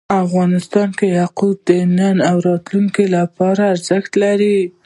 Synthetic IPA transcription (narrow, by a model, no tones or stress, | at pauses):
afɣɑnɪst̪ɑnkehaqud̪ənənawɾɑt̪luŋkilapɑɾaːɾzəxt̪laɾi